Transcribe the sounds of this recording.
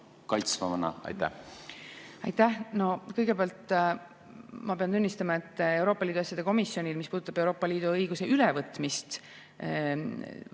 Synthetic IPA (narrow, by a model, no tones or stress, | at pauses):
kɑjt̪svɑmɑnɑ̰ɑ̰jt̪ːæ̰h | ɑ̰jt̪ːæhno̞kɤjɡ̥e̞peɑlt̪ | mɑpe̞ɑnt̪unʲːist̪ɑmɑe̞t̪ˑːe̞wɾo̞ːpːˑɑliːd̪̥uɑsʲjɑd̪e̞ko̞misːjo̞nʲilmispuːd̪ut̪ːɑb̥e̞wɾo̞ːpˑːɑliːd̪̥uɤjɡuse̞ʔylɛvɤt̪ːˑmist̪